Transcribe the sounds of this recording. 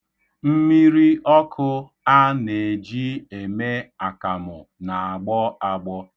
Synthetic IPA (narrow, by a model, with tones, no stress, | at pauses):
m̩˦mi˦ɾi˦ʔɔ˦kʰʊ˦ | a˦ne˨d͡ʒi˦e˨me˦a˨ka˨mʊ˨na˨a˨ɡ͡bɔ˦a˨ɡ͡bɔ˦